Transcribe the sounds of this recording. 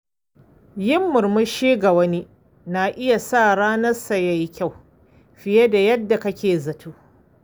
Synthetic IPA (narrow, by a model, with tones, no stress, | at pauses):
jɪ˦mːʊ˨ɾmʊ˦ʃiː˦ɡa˨wɐ˦ni˦ | naː˨ʔɪ˦ja˨sa˦˨ɽaː˦nɐ˦sɐ˨ja˦jkʲa˦˨w | ɸɪ˨je˦da˨jɐ˦dːa˨kɐ˦kʲeː˨zɐ˨tʰuː˦